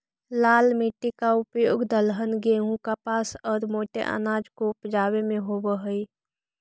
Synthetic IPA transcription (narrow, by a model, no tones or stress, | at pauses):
laːlmiʈːikaʊpjoːɡd̪əlɦənɡeɦũkapaːsɔːɾmoːʈḛʔə̰naːd͡ʒkopd͡ʒaːwemẽɦobəɦəi